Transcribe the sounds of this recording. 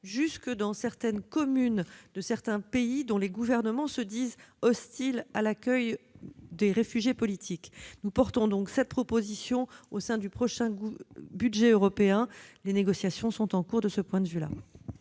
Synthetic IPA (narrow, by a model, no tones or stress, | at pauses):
ʒyskəd̪ɑ̃sɛʁt̪ɛnkɔmynd̪əsɛʁt̪ɛ̃peid̪ɔ̃leɡuvɛʁnəmɑ̃səd̪izɔst̪ilalakʲœjd̪eʁefyʒjepɔlit̪ʰiknupɔʁt̪ɔ̃d̪ɔ̃ksɛt̪̚pχɔpozisjɔ̃osɛ̃d̪ypχɔʃɛ̃byd̪ʒɛøʁɔpeɛ̃leneɡɔsjasjɔ̃sɔ̃t̪ɑ̃kuʁd̪əsəpwɛ̃d̪əvyla̰